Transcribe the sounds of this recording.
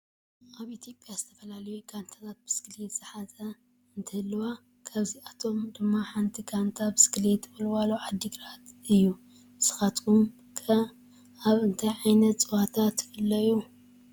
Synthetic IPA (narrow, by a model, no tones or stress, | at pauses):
ʔaβit̪ʰjo̞pʼjazɨt̪ʰɐfɐlalɐjukʰant̪ʰat̪ʰat̪̚bɨskɨlet̪sʼɨħazʰɐ | ɨnt̪ʰɐhɨlːɐwa | kʰaβziat̪ʰo̞md̪ɨmːaħant̪ʰikʰant̪ʰabɨskɨlet̪ɨβɨlwaloʕad̪ːiɡɨɾat̪ɨjːu | bɨsɨ̥xat̪um | kʰɐ | aβɨnt̪ʰajʕajnɐt̪t͡sʼɨwat̪ʰat̪fɨlːɐju